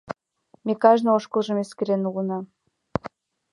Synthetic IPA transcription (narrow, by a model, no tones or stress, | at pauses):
mekɑʒnɤoʃkɤ̆lˠʒɤ̆meskɘ̆ɾenuɣɤ̆nɑ